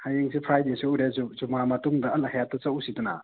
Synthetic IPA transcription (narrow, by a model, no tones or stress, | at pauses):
hajeŋsipʰɾajdesuuɾezuzumamɐtuŋdɐɐlahajatːɐt͡ʃɐwsiduna̰